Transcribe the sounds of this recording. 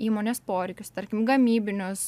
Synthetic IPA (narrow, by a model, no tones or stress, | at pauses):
iːmoːnʲeːspoːɾʲɛɪkʲʊst̪ɐɾʲkʲɪmɡɐmʲiːbʲɪnʲʊs